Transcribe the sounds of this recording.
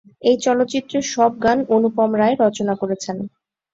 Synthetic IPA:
ejt͡ɕɔlot̪ːt͡ɕit̪ːɾoʃɔb̚ɡanonupɔmɾaeɾɔt͡ɕonakoɾet͡ɕʰen

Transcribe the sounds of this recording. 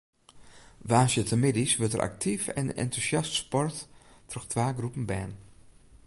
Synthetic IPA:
ʋaːsjətəmɪdisʋətəɾʔa̰k̚tʰifɛ̰nɛ̰ntuzjɑstspɔɹttrəxtʋaːɡrupənbɛːn

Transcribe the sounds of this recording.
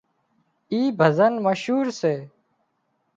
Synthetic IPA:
iːbʱəzənməʃɦuːɾseː

